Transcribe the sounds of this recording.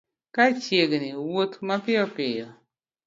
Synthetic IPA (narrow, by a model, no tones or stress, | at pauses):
kat͡ʃjeɡnɪwotmapɪɔpɪjɔ